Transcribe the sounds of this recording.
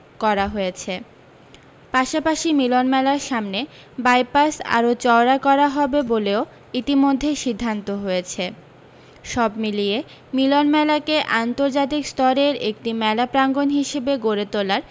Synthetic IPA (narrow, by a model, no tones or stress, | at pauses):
kɔɾaɦojet͡ɕʰe | paʃapaʃimilonmɛlaɾʃamne | bajpasa̰ɾot͡ɕɔoɾakɔɾaɦɔbeboleo | it̪imod̪ʱːeʃid̪ʱːant̪oɦojet͡ɕʰe | ʃɔbmilije | milonmɛlakeʔant̪oɾd͡ʑat̪̬ikst̪ɔɾeɾek̚ʈimɛlapɾaŋɡonɦiʃebeɡoɾet̪olaɾ